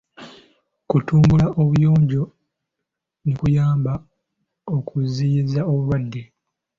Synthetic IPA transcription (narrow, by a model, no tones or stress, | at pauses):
kutuːmbulaʔo̞βujo̞ːɲɟo̞ | nikujaːmba | o̞kʰuziːizaoβuβwadːe̞